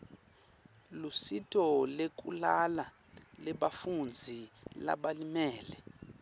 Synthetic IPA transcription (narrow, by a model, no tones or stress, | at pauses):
lusitʰʼɔlek̬ʼṵlala | lɛɓafund͡zʱila̰ɓalimɛːlɛ